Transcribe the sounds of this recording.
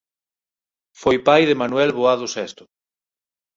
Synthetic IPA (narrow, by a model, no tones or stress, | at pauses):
fojpajðemanwɛlβoað̞osɛst̪ʊ̥